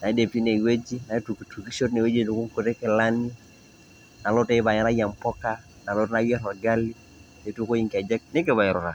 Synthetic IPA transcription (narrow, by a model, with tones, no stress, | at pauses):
na˨i˦de˨p̚ti˦ne˨we˦d͡ʒi˦na˨i˦tu˨ki˨tu˨ki˦ʃo˦tne˨we˦d͡ʒi˦˨du˨ku˦ŋku˨te˦kɛ˨la˦ni˦ | na˨lɔ˦te˦βa˨ɲa˦na˦ja˨mpɔ˦ka˦ | na˨lɔ˦tna˦jɔ˦nɔ˨ɡa˦li˦ | e˨tu˦ko˦ji˦ŋka˨d͡ʒɛ˦k̚nɪ˦k̬e˨βa˨ɛ˨ɾɔ˨ta˨